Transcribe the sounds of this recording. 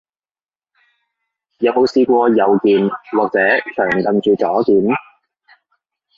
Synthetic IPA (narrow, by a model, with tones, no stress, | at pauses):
jɐ˨wmo˨˧wsiː˧kʷɔː˧jɐ˨wkiː˨˧nlɔː˨k̚t͡sɛː˨˥t͡ʃʰœː˨˩ŋk̪ɐ˧nt͡ʃyː˨˧t͡sɔː˨˥kiː˨n